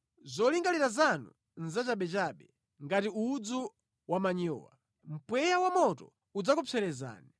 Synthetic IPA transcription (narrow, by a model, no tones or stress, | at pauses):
zɔliŋɡaliɾazanṵ | nzat͡ʃaɓɛt͡ʃaɓɛ | ŋɡatiud͡zu | wamaɲɔ̰ːwa̰ | m̩pwɛjawamɔtɔ̰ | ud͡zakɔpʰɛɾɛza̰ːni